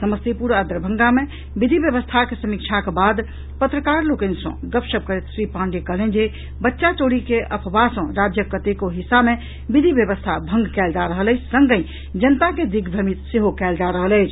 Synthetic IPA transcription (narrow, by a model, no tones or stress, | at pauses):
səməst̪ipuɾəd̪ɾəbʱə̃ŋɡame | bid̪ʱibjəβəst̪ʰakesəmik̚t͡ʃʰakebad̪ | pət̪ɾəkaɾlokənsə̰̃ɡəpsəb̚kəɾet̪sɾipãɳɖekəlend͡ʒe | bətːʃat͡ʃoɽikeʔəpʰbasə̃ɾad͡ʒjəkət̪ekoɦisabme | bid̪ʱibjəβəst̪ʰabʱə̃ŋɡkɛld͡ʒaɾəɦələɪt͡ʃʰsəŋɡəj̃ | d͡ʒənt̪aked̪iɡd̪ʱəmit̪seɦokɛld͡ʒaɾəɦələɪt͡ʃʰ